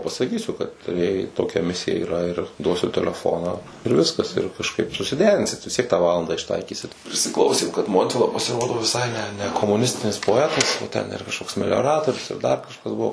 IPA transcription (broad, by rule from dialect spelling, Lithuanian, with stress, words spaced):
pɐsɐˈkʲiːsʲʊ kɐt jɛɪ toːˈkʲɛ ˈmʲɪsʲɪjɛ ɪˈrɐ ɪr ˈduɔsʲʊ tʲɛlʲɛˈfoːnɑː ɪr ˈʋʲɪskɐs ɪr kɐʃˈkɐɪp sʊsʲɪˈdʲæːrʲɪnʲsʲɪt ʋʲɪsʲˈtʲiɛk tɑː ˈʋɑːlˠɐndɑː ɪʃˈtɐɪkʲiːsʲɪt pʲrʲɪsʲɪˈklˠɐʊsʲeːm kɐt ˈmoːnʲtʲʋʲɪlˠɐ pɐsʲɪˈroːdoː ʋʲɪˈsɐɪ nʲɛ nʲɛ nʲɛkoːmʊˈnʲɪsʲtʲɪnʲɪs poːˈæːtɐs ˈtʲɛn ɪˈrɐ kɐʃˈkoːks mʲɛlʲoːˈrɑːtoːrʲʊs jɛʊ dɐr kɐʃˈkɐs ˈbuɔ